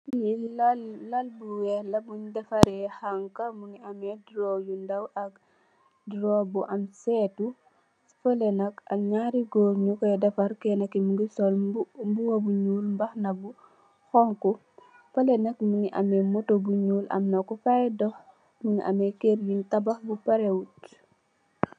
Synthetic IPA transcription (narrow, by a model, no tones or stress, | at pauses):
illɐlbuwɛlɐbuɲdɐfɐɾɛhaŋkamuŋiɐmɛdɾojundɐwʔɐk̚ | dɾɔbuʔɐmsɛtu | fɐlɛnɐkɐɲaɾiɡoːɾɲukɔɛdɐfɐɾkɛnɐkimuŋɡisɔlmbuwobuɲuːlmbaxnɐbu | xɔŋku | fɐlɛnɐkmuŋiʔɐ̰mɛmotobuɲuːlɐ̰mnɐkufadɔx | muŋiʔa̰mɛkeɾjintɐbaxbupɐɾewut